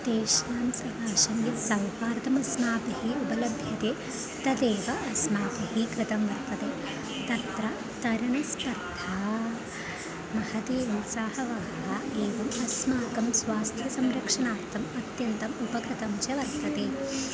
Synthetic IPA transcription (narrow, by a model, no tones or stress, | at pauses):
d̪̥eːʂnaːmsɐkaːʃɐmjɐsɐwpaːɾt̪ɐmɐsmaːpɐɦiubɐlɐbʱjɐt̪eː | t̪ɐd̪eːʋɐʔɐsmaːpɐɦiɡɾɪt̪ɐmʋɐɾt̪ɐt̪eː | t̪ɐɾt̪ɾɐ | t̪ɐɾɐɳɐspɐɾt̪ʰaː | mɐhɐd̪eːɐnsaːhɐʋɐɦɐɦɐeːʋɐmɐsmaːkɐmsʋaːst̪ʰjɐsɐmɾɐkʂɐɳaːɾt̪ɐmɐt̪jɐnt̪ɐmupɐɡɾɨt̪ɐmt͡ʃɐʋɐɾt̪ɐt̪eː